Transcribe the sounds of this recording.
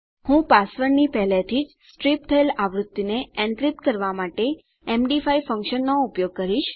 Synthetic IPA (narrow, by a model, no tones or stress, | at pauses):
hũpasʋəɾnipɛɦlet̪ʰid͡ʒsʈɾip̚t̪ʰəelaʋɾut̪ːineɛ̃nkɾip̪kəɾʋamaʈe | ɛmɖifaifə̃ŋkʃənːoʊpjoɡ̚kəɾiʃ